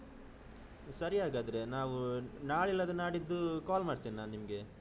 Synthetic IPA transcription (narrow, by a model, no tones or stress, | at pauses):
sɐɾiaːɡaːd̪ɐɾe̞naːʋunaːɭilːɐd̪unaːɽid̪ːukaːlmaːɽt̪iːnnaːnnːimɐɡe̞